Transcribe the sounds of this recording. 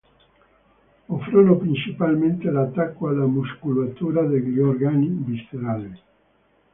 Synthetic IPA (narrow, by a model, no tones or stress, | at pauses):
ofɾonopɾint͡ʃipalment̪elat̪ːakːoalːamuskulat̪uːɾad̪eliɔrɡanibist̪eɾale